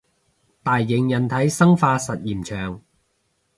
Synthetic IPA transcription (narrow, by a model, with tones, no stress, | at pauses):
t̪aː˨jːɪ˨˥ŋjɐ˨nt̪ʰɐ˨˥jsɐ˥ŋfaː˧sɐ˨t̚jiː˨˩mt͡ʃʰœː˨˩ŋ